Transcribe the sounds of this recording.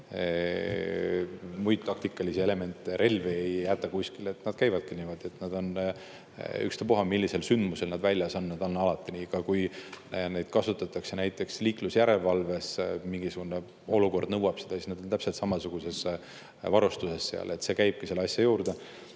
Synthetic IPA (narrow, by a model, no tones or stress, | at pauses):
mujt̪̚t̪ːɑkt̪ikːˑɑlisiele̞me̞nt̪ːˑeɾʔe̞lveejjːæt̪ːˑɑkuskile̞t̪nɑd̪̥̚kæjvɑd̪̥̚kinimod̪̥et̪nɑd̪o̞n | y̰kst̪epoɦɑmilːise̞lsynd̪̥muse̞lnɑd̪vælʲjɑsɑnːɑd̪̥ɑnːɑlɑt̪ːˑiniɡ̥ɑkujne̞d̪̥kɑsut̪ːˑɑt̪ːˑɑkse̞næjt̪ːˑe̞ksliːklusjæɾe̞lvɑlve̞smiŋɡ̥isuɡ̥une̞ | o̞luko̞rd̪̥nɤwɑb̥sed̪̥ɑsisnɑd̪ont̪æpse̞lt̪sɑmɑsuɡ̥use̞s | vɑɾust̪use̞sːe̞̰ɑ̰le̞t̪se̞kæjb̥̚kiselːeɑsʲjɑjuːɾd̪̥e